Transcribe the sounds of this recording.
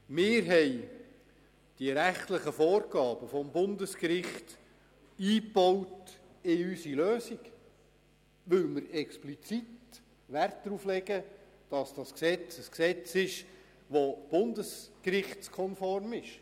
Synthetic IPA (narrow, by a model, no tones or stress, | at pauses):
mɪːɾɦɛj | d̥iɾæχtləχəfɔːɾɡɑːb̥əfɔmbʊndəskɾɪχt | iːpɔwt | ɪysiløːsik | ʋʏlmɪɾɛksplit͡sit | ʋært̚dɾuflɛɡə | d̥ɑsd̥ɑsksɛt͡səsksɛt͡sɪʃ | ʋob̥ʊndəskrɪχt͡skʰɔnfɔrmɪʃ